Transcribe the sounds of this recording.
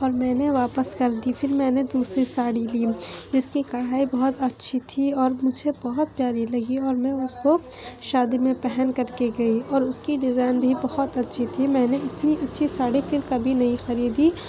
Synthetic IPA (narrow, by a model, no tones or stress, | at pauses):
ɔːɾmɛ̃ːneʋaːpəskɐɾd̪ifʰɪɾmɛ̃ːned̪uːsɾisaːɽiliːd͡ʒɪskikɐɽ̤aːibɐɦʊt̪ɐtːʃʰit̪ʰiɔːɾmʊd͡ʒʱebɐɦʊt̪̚pjaːɾilɐɡiɔːɾmɛ̃ːʊskoʃaːd̪imẽpɛɦɛnkɐɾkeɡɐiɔːɾʊskiɖɪzaːɪnbʱibɐhʊt̪ɐtːʃʰit̪ʰimɛ̃ːneɪt̪niɐtːʃʰisaːɽifɪɾkɐbʱinɐɦĩxɐɾiːd̪i